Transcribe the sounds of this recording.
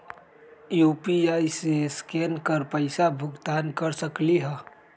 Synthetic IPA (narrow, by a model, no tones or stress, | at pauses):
jupiajseskenkəɾpəɪsabʱʊɡt̪aːnkəɾsəkliɦə